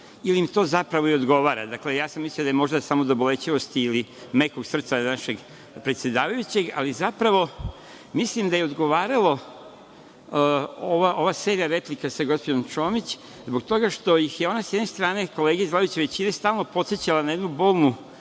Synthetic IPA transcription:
ilimit̪o̞ːzapɾaʋo̞iod̪ɡo̞ʋaːɾa̰d̪akle̞jaːsamːisliad̪ajemo̞ʒd̪asamo̞d̪obole̞t͡ɕiʋo̞st̪iːlimekoɡsr̩t̪sanaʃe̞ɡ | pɾet̪sje̞d̪aːʋajut͡ɕe̞ɡa̰lizapɾaʋo̞ | mislimd̪ajeod̪ɡo̞ʋaːɾalo | oʋaʔo̞ʋaːse̞ɾijaɾe̞plikasaɡo̞spod̪omt͡ʃo̞ːmit͡ɕ | zbok̚t̪oɡaʃt̪o̞jixjeo̞nasjed̪ne̞st̪ɾaːne̞ko̞leːɡizlaoit͡ɕeʋe̞t͡ɕinast̪aːlˠnopo̞t̪set͡ɕalanajed̪nubolˠnu

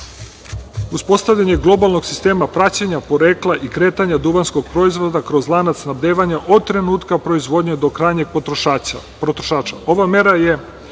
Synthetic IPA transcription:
uspo̞st̪avʎaɲe̞ɡlˠo̞balˠno̞ɡ̥si̥st̪e̞ːmapɾat͡ɕeɲapo̞ɾeːklˠaʔikɾeːt̪aɲad̪uʋansko̞ɡ̚pɾo̞izʋo̞d̪akɾo̞zlˠanat̪snabd̪eːʋaɲaʔo̞d̪̚t̪ɾe̞nuːt̪kapɾo̞izʋo̞d̪ɲed̪o̞kɾaːjɲe̞ɡ̚p | pɾot̪ɾoʃaːt͡ʃao̞ʋame̞ɾaje

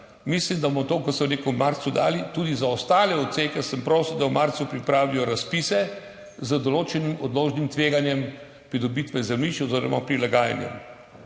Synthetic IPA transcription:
mislimd̪abmɔt̪oːkɔsɔwnekɔmːaɾt̪sud̪a̰ːlit̪ud̪izaɔst̪aːlɛɔt̪seːkɛsəmpɾoːsiwd̪awmaɾt̪supɾipɾaːʋijɔɾaspisɛ | zəd̪ɔloːt͡ʃɛnimɔd̪loːʒnimt̪ʋeːɡanjɛm | pɾid̪ɔbit̪ʋɛzɛmliʃɔzeɾɔmapɾilaɡaːja̰njɛ̰m

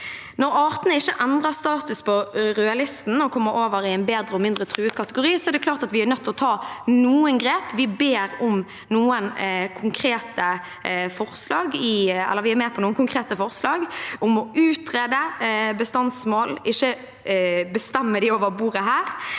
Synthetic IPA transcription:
nɔɾɑːʁt̪ənəɪçːəʔɛnd̪ʁɑʁst̪ɑːt̪ʉspʰɔɾɛɑlɪst̪n̩ɔkʰɔmːəɾʔoːʋəɾɪæɪnbeːd̪ɾəɔmɪnd̪ʁət̪ʰɾʉːʉːt̪kʰɑt̪əɡʊɾiːsɔɛɾd̪ɛkʰlɑːʁt̪ɑt̪ʋɪæɾnœt̪ʰːɔt̪ʰɑːnuːənɡɾeːpʋɪbeːɾʊm | nuːənkʰʊŋkʰɾeːt̪ə | fɔʁslɑːɡɪɛ̰lːəɾʋɪæɾmɛːpʰɔnuːənkʊŋkʰɾeːt̪əfɔʁslɑːɡʔʊmɔʉːt̪ɾeːd̪əbəst̪ɑnsmoːlɪçːə | bəst̪ɛmːəd̪ɪoːʋəɾbuːʁəɦæːɾ

